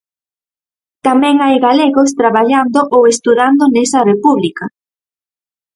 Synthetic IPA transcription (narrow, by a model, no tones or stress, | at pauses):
t̪amɛ̃ŋajɣaleɣost̪ɾaβaʎand̪oʔowest̪uðand̪onesɐrepuβlikɐ